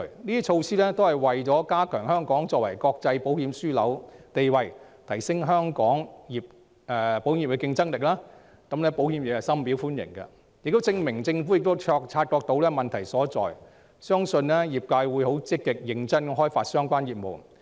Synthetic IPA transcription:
niː˥t͡ʃʰo˧wsiː˥lɛː˥t̪o˥whɐ˨˩jwɐ˨jt͡sɔː˨˥kaː˥kʰœː˨˩ŋɦœː˥ŋkɔː˨˥ŋt͡sɔː˧k̚wɐ˨˩jkɔː˧k̚t͡sɐ˧jpo˨˥whi˨˧˥msyː˥lɐ˨˥wt̪e˨jwɐ˨j | t̪ʰɐ˨˩jsɪ˥ŋɦœː˥ŋkɔː˨˥ŋjiː˨p̚ | ɛ˧po˨˥wjiː˨˩pkːɛ˧kɪ˧ŋt͡sɐ˥ŋlɪ˨k̚laː˥ | kɐ˨˥mlɛː˥po˨˥whiː˨˥mjɪ˨kɐ˨˩sɐ˥mpi˨˥wfuː˥njɪ̰˨˩ŋkɐ̰˧ | jɪ˨k̚t̪o˥wt͡sɪ˧ŋmɪ˨˩ŋt͡sɪ˧ŋfuː˨˥jɪ˨k̚t̪o˥wt͡sʰɔː˧k̚t͡sʰaː˧t̚kɔː˧k̚t̪o˨˥wlɛː˥mɐ˨nt̪ʰɐ˨˩jsɔː˨˥t͡sɔ̰ː˨j | sœː˥ŋsɵ˧nlɛ˥jiː˨˩p̚kaː˧jwuː˨˥jɦo˨˥wt͡sɪ˥k̚kːɪ˨k̚jɪ˨˧ŋt͡sɐ˥nɦɔː˥jfaː˧t̚sœː˥ŋkʷaː˥njiː˨˩p̚mo̰˨˩w

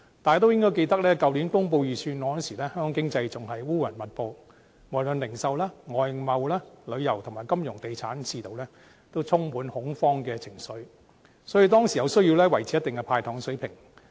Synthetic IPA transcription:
t̪aː˨˩jt̪o˥wjɪ˥ŋkɔː˥jke˧jt̪ɐ˥k̚lɛː˥kɐ˨wliː˨˥nkʊ˥ŋp̬o˧wjiː˨sʰyː˧nɔ˨˧ɔ˥nsi˨˩lɛː˥hœ˥ŋkɔː˨˧ŋkɪ˥ŋt͡sɐ˧jt͡sʊ˨ŋɦɐ˨jwuː˥wɐ˨˩nmɐ˨t̚po˧w | mɔː˨˩lɵ˨nlɪ˨˩ŋsɐ˨˧wlɛː˥ŋɔː˨jmɐ˨˧wlɛː˥lɵ˨˧ɥjɐ˨˩wt̪ʰʊ˨˩ŋmaː˨˩jkɐ˥mjʊ˨˩ŋt̪e˨jt͡sʰaː˨˥nt͡sʰiː˧t̪o˨wlɛː˥ | t̪o˥wt͡sʰʊ˥ŋmuː˨˥nhʊ˨˥ŋfɔː˥ŋkɛː˧t͡sʰɪ˨˩ŋsɵ˨˥ɥ | sɔː˨˥jy˨˧t̪ɔː˥ŋsi˨jɐ˨˧wsɵ˥ɥji˧wlɛː˥wɐ˨˩jt͡sʰiː˨˦jɐ˥t̪ɪ˨ŋkɛ˧pʰaː˧jt̪ʰɔː˨˥ŋsɵ˨˥ɥpʰɪ˨˩ŋ

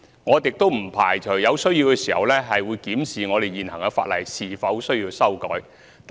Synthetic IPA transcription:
ŋɔː˨˧t̪ɪ˨k̚t̪o˥wm̩˨˩pʰaː˨˩jt͡ʃʰɵ˨˩ɥjɐ˨˧wsɵ˥ɥjiː˧wkɛː˧siː˨˩hɐ̰˨wlɛː˥ɦɐ˨jwuː˨˧jkiː˨˥msiː˨ŋɔː˨˧t̪e˨jjiː˨nhɐ˨˩ŋɐ˧fa̰ː˧t̚lɐ̰˨jsiː˨˩fɐ˨˥wsɵ˥ɥjiː˧wsɐ˥wkɔ̰ː˨˥j | t̪

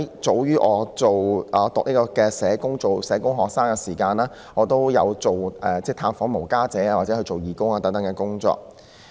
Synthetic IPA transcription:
jt͡so˨˧wjyː˥ʔɔː˨˧t͡so˨wʔɔː˨˧t̪ʊ˨k̚liː˥kɔː˧kɛː˧sɛː˨˥kʊ˥ŋt͡so˨wsɛː˨˥kʊ˥ŋɦɔː˨k̚saː˥ŋkɛ˧siː˨˩kaː˧naː˥ | ŋɔː˨˧t̪o˥wjɐ˨˧wt͡so˨wʔɛː˨t͡sɛː˥˩t̪ʰaː˧nfɔː˨˥ŋmo˨˩wkaː˥t͡sɛː˨˥aː˧waː˨˩t͡sɛ˨˥hɵ˧jt͡so˨wjiː˨kʊ˥ŋaː˨˧t̪ɐ˨˥ŋt̪ɐ˨˥ŋkɛː˧kʊ˥ŋt͡sɔ̰ː˨k̚

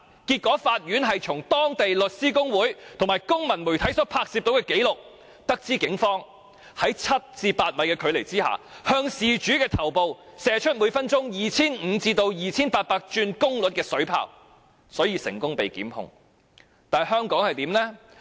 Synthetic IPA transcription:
kiː˧t̚kɔː˨˥faː˧t̚jyː˨˥nɦɐ˨jt͡sʰʊ˨˩ŋt̪ɔː˥ŋt̪e˨jlɵ˨t̚siː˥kʊ˥ŋwuː˨˥jt̪ʰʊ˨˩ŋmaː˨˩jkʊ˥ŋmɐ˨˩nmu˨˩t̪ʰɐ˨˥jsɔː˨˥pʰaː˧k̚siː˧p̚t̪o˨˥wkɛː˧ke˨˥jlʊ˨k̚ | t̪ɐ˥k̚t͡siː˥kɪ˨˥ŋfɔː˥ŋ | hɐ˨˥jt͡sʰɐ˥t̚t͡siː˧paː˧t̚mɐ˨˧˥jkɛː˧kʰɵ˨˧ɥle˨˩jt͡siː˥ha̰ː˨hœː˧ŋsiː˨t͡ʃyː˨˥kɛː˧t̪ʰɐ˨˩wpo˨wsɛː˨˥t͡ʃʰɵ˥t̚mu˨˧˥fɐ˥nt͡ʃʊ˥ŋjiː˨˩t͡sʰiː˥n̩ː˨˧˥t͡siː˧t̪o˧wjiː˨t͡sʰiː˥npaː˧t̚paː˧k̚t͡ʃyː˧nkʊ˥ŋlɵ˨˥t̚kɛː˧sɵ˨˥ɥpʰa̰ː˧w | sɔː˨˥jiː˧sɪ̰˨˩ŋkʊ˥ŋpe˨jkḭː˨˥mhʊ̰˧ŋ | t̪aː˨hœː˥ŋkɔː˨˥ŋhɐ˨jt̪iː˨˥mnɛː˥

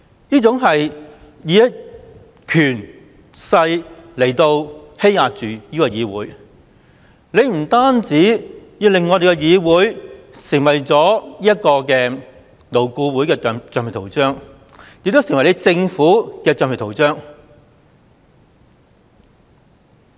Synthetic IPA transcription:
niː˥t͡sʊ˨˧˥ŋɦɐ˨j | jiː˨˧ɐ˥ | kʰyː˨˩n | sɐ˧jle˨˩jt̪o˧whe˥jaː˧k̚t͡ʃyː˨jiː˥kɔː˧jiː˨˧wuː˨˥j | ne˨˧jm̩˨˩t̪aː˥nt͡siː˨˥jiː˧lɪ˨ŋːɔ˨˧t̪e˨jkɛ˧jiː˨˧wuː˨˥jsɪ˨˩ŋwɐ˨jt͡sɔː˨˥jiː˥ɐ˥t̚kɔː˧kɛː˧ | lo˨˩wkuː˧wuː˨˥jkɛː˧˨t͡ʃœː˨pi˨˩t̪ʰwt͡sœː˥ŋ | jɪ˨k̚t̪o˥wsɪ˨˩ŋwɐ˩jle˨˧jt͡sɪ˧ŋfuː˨˥kɛː˧t͡sœː˨ŋpʰɪ˨˩tʰo˨˩wt͡sœː˥ŋ

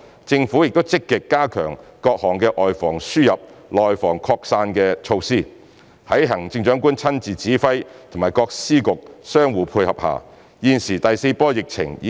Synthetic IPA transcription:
t͡sɪ˧ŋfuː˨˥jɪ˨k̚t̪o˥wt͡sɪ˥kːɪ˨kːaː˥kʰœː˨˩ŋkɔː˧k̚hɔː˨˩ŋkɛː˧ʔɔː˨jfɔː˨˩ŋsyː˥jɐ˨p̚lɔː˨jfɔː˨˩ŋkʰɔː˧k̚saː˧nkɛː˧t͡ʃʰo˧wsiː˥ | hɐ˨˥jɦɐ˨˩ŋt͡sɪ˧ŋt͡ʃœː˨˥ŋkuː˥nt͡sʰɐ˥nt͡siː˨t͡siː˨˥fɐ˥jt̪ʰʊ˨˩maː˨˩jkɔː˧k̚siː˥kʊ˨k̚sœː˥ŋwuː˨˧pʰuː˧jhɐ˨p̚ha̰ː˨˩ | jiː˨˧nsiː˨˩t̪ɐ˨jse˧jpɔː˥jɪ˨k̚t͡sʰɪ̰˨˩ŋ˨

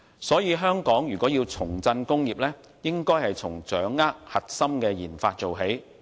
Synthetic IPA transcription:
sɔː˨˥jiː˨˧ɦœː˥ŋkɔː˨˥ŋjyː˨kɔː˨˥jiː˧wt͡sʰʊ˨˩ŋt͡sɐ˧nkʊ˥ŋjiː˨p̚lɛː˥ | jɪ˥ŋkɔː˥jhɐ˨jt͡sʰʊ˨˩ŋt͡ʃœː˨˥ŋːaː˥k̚hɐ˨t̚sɐ˥mkɛː˧jiː˨˩nfaː˧t̚t͡ʃo˨wɦe˨˥j

